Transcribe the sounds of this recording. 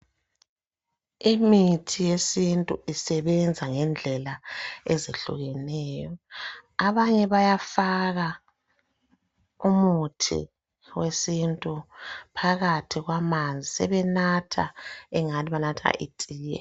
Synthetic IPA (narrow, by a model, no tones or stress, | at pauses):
imitʰijesintʼṵisɛβɛnd͡zʱaŋɛnd͡ɮʱɛlaezeɬṵɣɛnɛːjɔaβaɲɛβajafaɣa | umutʰḭ | wesintʼupʰaɣatʰiɣwamand͡zʱisɛβɛnatʰa̰ɛŋaniβanatʰa̰ʔitʼiːjɛ̰